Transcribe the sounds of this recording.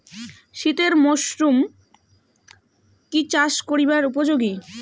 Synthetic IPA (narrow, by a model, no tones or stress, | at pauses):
ʃit̪eɾmoʃɾum | kit͡ɕaʃkoɾibaɾup̬od͡ʑoɡi